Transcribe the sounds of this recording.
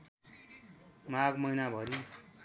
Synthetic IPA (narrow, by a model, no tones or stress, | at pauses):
maɡmʌjnabʱʌɾi